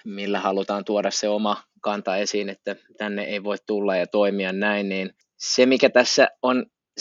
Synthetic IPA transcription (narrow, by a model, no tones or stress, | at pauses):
milːæhɑlut̪ɑːnt̪uoɾɑsseomɑkɑnt̪ɑesiːnet̪ːæt̪ænːeʔeiʋoit̪t̪ulːɑjɑt̪oimiɑnnæinniːn | semikæt̪æsːæon